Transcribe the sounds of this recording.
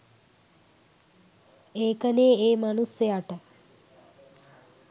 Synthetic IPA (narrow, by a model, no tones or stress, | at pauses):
eːkəneːeːmanusjəaʈə